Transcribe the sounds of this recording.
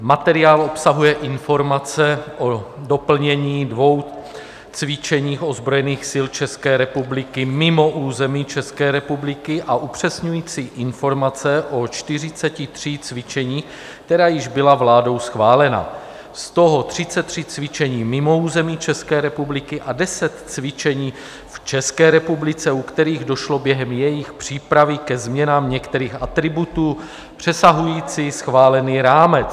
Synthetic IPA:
mat̪ɛɾɪaːlʔo̞psaɦujɛʔɪnfo̞ɾmat͡sɛʔodo̞pl̩ɲɛɲiːdvo̞w | t͡svɪt͡ʃɛɲiːxo̞zbɾo̞jɛniːxsɪlt͡ʃɛskɛːɾɛpublɪkɪmɪmo̞ʔuːzɛmiːt͡ʃɛskɛːɾɛpublɪkɪʔaʔupr̝̥ɛsɲujiːt͡siːʔɪnfo̞ɾmat͡sɛʔo̞t͡ʃt̪ɪrɪt͡sɛcɪt̪r̝̥iːt͡svɪt͡ʃɛɲiː | k̚t̪ɛɾaːjɪʒbɪlavlaːdo̞wsxvaːlɛna̰ | st̪oɦo̞t̪r̝̥ɪt͡sɛt̪ːr̥it͡svɪt͡ʃɛɲiːmɪmo̞uːzɛmiːt͡ʃɛskɛːɾɛpublɪkɪʔadɛsɛt̪t͡svɪt͡ʃɛɲiː | ft͡ʃɛskɛːɾɛpublɪt͡sɛukt̪ɛɾiːɣdo̞ʃlo̞bjɛɦɛmjɛjɪxpr̝̥iːpɾavɪkɛzmɲɛnaːmɲɛkt̪ɛɾiːxat̪ɾɪbut̪uː | pr̥ɛsaɦujiːt͡sisxvaːlɛniːɾaːmɛt͡s

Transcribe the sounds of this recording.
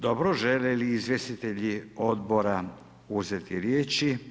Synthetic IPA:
d̪obɾoʒeleliːzʋjest̪it̪eʎio̞d̪bo̞ɾa | uzet̪iɾjeːt͡ʃi

